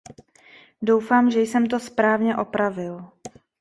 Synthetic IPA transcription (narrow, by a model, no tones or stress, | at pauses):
do̞wfaːmʒɛjsɛmt̪o̞spɾaːvɲɛʔo̞pɾavɪl